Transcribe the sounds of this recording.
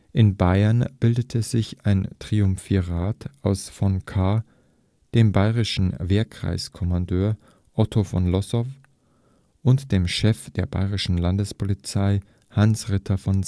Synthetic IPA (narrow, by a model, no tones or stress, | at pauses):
ʔɪnbaɪɐnb̥ɪldətʰəzɪçaɪntʁ̥iʊmfiʁaːtʔaʊsfɔnkʰa | d̥eːmbaɪʁɪʃn̩veːɐkʁ̥a̰ɪskʰɔmandøːɐ | ʔɔtʰofɔ̰nlɔsɔf | ʔʊntd̥eːmʃɛfd̥eːɐba̰ɪʁɪʃn̩landəspʰolit͡saɪ | hansʁɪtʰɐfɔn